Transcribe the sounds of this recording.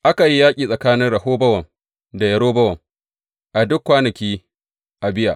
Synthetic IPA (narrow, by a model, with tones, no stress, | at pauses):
ʔa˦ka˨ji˦jaː˦kʲʼiː˨sʼɐ˨kaː˦nɪ˦nɽɐ˨ɦoː˦bɐ˦wɐ˨ŋ | da˨jɐ˨ɽoː˦bɐ˦wɐ˨ŋ | ʔa˨dʊ˦kːʷaː˦nɐ˨kʲiː˦ | ʔa˨bɪ˦ja̰˨ʔ